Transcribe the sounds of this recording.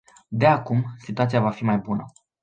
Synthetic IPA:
d̪e̞akumsit̪uat̪sijavafimajbunə

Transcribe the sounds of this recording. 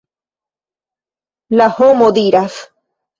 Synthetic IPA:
lahomoðiɾaθ

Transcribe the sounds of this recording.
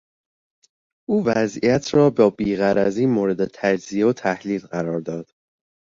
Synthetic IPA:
ʔuːvæzʔijæt̪ʰɾɒːbɒːbiːɣæɾæziːmoːɾe̞d̪et̪ʰæd͡ʒzieot̪ʰæhliːlɢæɾɒːɾd̪ɒːd̪̥

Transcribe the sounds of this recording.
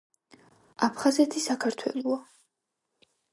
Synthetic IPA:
apʰχazɛt̪ʰisakʰaɾt̪ʰwɛ̰lˠɔa

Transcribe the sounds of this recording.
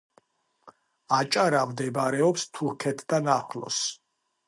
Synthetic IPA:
at͡ʃʼaɾamd̪ɛbɾɛɔpst̪ʰuɾkʰɛt̪ʰd̪̥anaχlɔ̰s

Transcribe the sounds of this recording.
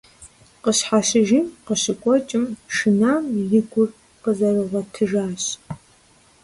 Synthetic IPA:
qəɕħaɕɪʒiːmqəɕɪkʷʼɔt͡ʃʼɪmʂɨnaːmjɪɡʷʊr | qəzɐrɨʁɐtʰɨʒaːɕ

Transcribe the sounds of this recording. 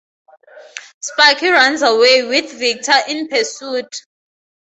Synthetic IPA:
spakʰiranzawewiθvik̚tʰaʔinpʰɛsuːtʰʼ

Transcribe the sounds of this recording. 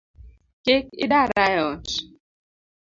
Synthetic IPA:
kekḭdaɾajɔt͡ʃ

